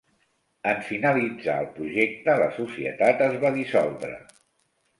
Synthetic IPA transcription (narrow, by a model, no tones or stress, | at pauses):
əɱfinəlid͡za̰əlˠpɾuʒek̚t̪ələsusiə̰t̪at̪əzβaðisɔ̰lˠd̪ɾə̰